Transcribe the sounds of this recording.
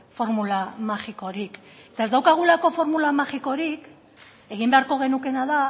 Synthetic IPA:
fo̞ɾmulamaxiko̞ɾik | e̞t̪aezd̪awkaɣ̞ulako̞fo̞ɾmulamaxiko̞ɾik | e̞ɣ̞imbeaɾko̞ɣ̞e̞nuke̞naða

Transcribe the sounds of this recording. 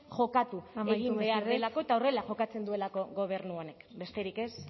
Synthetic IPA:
ʝo̞kat̪ueɣimbe̞aɾelako̞et̪aore̞laʝo̞kat͡se̞nd̪ue̞lako̞ɣo̞β̞e̞rnuo̞ne̞kbe̞st̪e̞ɾike̞s

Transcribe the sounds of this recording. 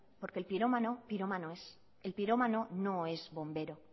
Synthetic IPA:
po̞ɾkelpiɾo̞manopiɾomanoes | e̞lpiɾo̞mano̞noe̞zβo̞mbe̞ɾo̞

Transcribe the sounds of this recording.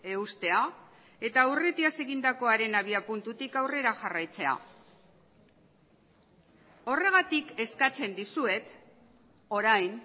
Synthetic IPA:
e̞ust̪e̞a | e̞t̪auret̪iase̞ɣind̪ako̞aɾe̞naβ̞iapunt̪ut̪ikawre̞ɾaxarajt͡se̞a̰ | o̞re̞ɣat̪ike̞skat͡se̞nd̪isue̞t̪ | o̞ɾajn

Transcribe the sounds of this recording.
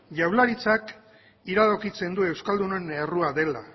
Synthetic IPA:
ʝawlaɾit͡sak | iɾaðokit͡se̞nd̪ue̞wskald̪unoene̞ruaðe̞la̰

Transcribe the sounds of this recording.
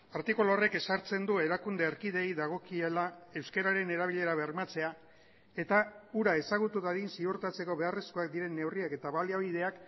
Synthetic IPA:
aɾt̪ikulore̞ke̞saɾt͡se̞nd̪ue̞ɾakund̪eːɾkiðe̞jðaɣ̞o̞kielae̞wskeɾaɾe̞ne̞ɾaβ̞iʎe̞ɾaβe̞ɾmat͡se̞a | e̞t̪auɾae̞saɣ̞ut̪uðaðinsiuɾt̪at͡se̞ko̞βe̞aresko̞ak̚d̪iɾe̞nːe̞wriake̞t̪aβaliaβ̞ið̞e̞ak

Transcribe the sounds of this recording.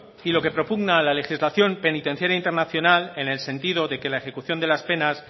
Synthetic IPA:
ilo̞ke̞pɾo̞puɣnalalexizlaθjo̞mpe̞nit̪e̞n̟θjeɾaint̪e̞ɾnaθjo̞nale̞ne̞lse̞nt̪ið̞o̞ðe̞ke̞laexe̞kuθjo̞nd̪elaspe̞nas

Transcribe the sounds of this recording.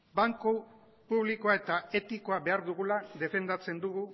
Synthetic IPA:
baŋko | puβliko̞ae̞t̪ae̞t̪iko̞aβe̞aɾðuɣulaðe̞fe̞nd̪at͡se̞nd̪uɣu

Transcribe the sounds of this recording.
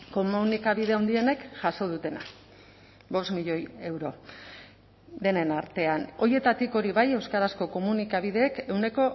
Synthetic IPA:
ko̞munikaβiðe̞awnd̪ie̞ne̞kʝaso̞ð̞ut̪e̞na | βo̞st̪miʎo̞je̞wɾo̞ | d̪e̞ne̞naɾt̪e̞ano̞je̞t̪at̪iko̞ɾiβaje̞wskaɾasko̞ko̞munikaβiðe̞ːke̞wne̞ko̞

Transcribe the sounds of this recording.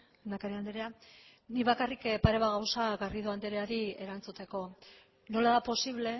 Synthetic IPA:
nd̪akaɾeand̪eɾea | niβakarikpaɾe̞βaɣ̞awsaɣariðuand̪eɾeaɾie̞ɾant͡sut̪e̞ko̞ | no̞laðapo̞siβle̞

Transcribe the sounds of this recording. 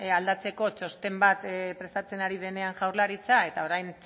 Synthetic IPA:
ald̪at͡se̞ko̞t͡ʃo̞st̪e̞mbat̪pɾe̞st̪at͡se̞naɾiðe̞ne̞aŋʝawɾlaɾit͡sae̞t̪ao̞ɾajn

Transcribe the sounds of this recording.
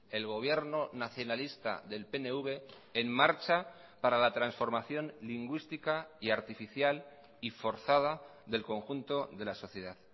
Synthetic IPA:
e̞lɣ̞o̞β̞je̞ɾnonaθjo̞nalist̪a̰ðe̞lpe̞neuβe̞ː | mːaɾt͡ʃa | paɾalat̪ɾansfo̞ɾmaθjo̞nliŋɡwist̪ikaiaɾt̪ifiθjal | ifo̞ɾθað̞aðe̞lko̞ŋxunt̪o̞ðe̞laso̞θje̞ð̞að

